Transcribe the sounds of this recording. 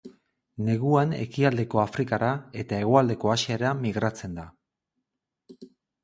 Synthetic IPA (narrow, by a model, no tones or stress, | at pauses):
ne̞ɣuane̞̰kiald̪e̞ko̞afɾikaɾae̞t̪ae̞ɣ̞o̞ald̪e̞ko̞asieɾamiɣɾat͡se̞nd̪a